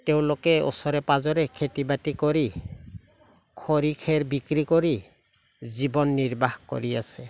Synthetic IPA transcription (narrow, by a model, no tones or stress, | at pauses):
teʊ̃lokɛɔ̰sɔɾɛpazɔɾɛkʰetibatikɔɾi | kʰɔɾikʰɛɾbikɾikɔɾi | zibɔnːiɹbaxkɔ̰ɾiasɛ